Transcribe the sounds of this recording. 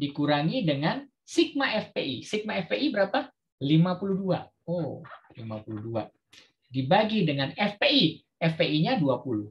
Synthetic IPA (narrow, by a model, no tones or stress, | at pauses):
dikuɾaŋidəŋan | sik̚maʔɛfpeʔisik̚maɛfpeʔibəɾapa | limapuluhdua̰ | olimapuludua̰ | dibaɡidəŋanɛfpeʔi | ɛfpeʔiɲaduapuluh